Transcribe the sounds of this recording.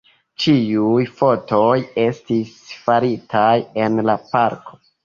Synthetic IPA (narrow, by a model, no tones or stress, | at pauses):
t͡ʃiujfo̞to̞je̞stisfaɾitʰaje̞nlapaɾko̞̥